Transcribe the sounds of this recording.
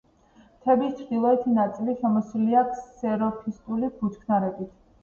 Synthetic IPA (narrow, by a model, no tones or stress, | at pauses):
t̪ʰɛbist͡ʃʰd̪ilˠɔɛt̪ʰinat̪sʼiliʃɛmɔsliakʰsːɛɾɔpʰist̪ʼulibut͡ʃkʰnaɾɛbit̪ʰ